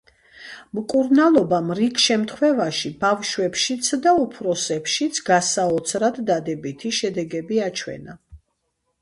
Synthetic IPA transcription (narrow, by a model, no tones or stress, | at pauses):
mkʼuɾnalˠɔbamɾikʰʃɛmt̪ʰχwɛvaʃibavʃwɛpʃit̪sʰd̪aupʰɾɔsɛpʃit̪sʰɡasaɔt̪sʰɾad̪d̪ad̪ɛbit̪ʰiʃɛd̪ɛɡɛbiat͡ʃʰwɛ̰na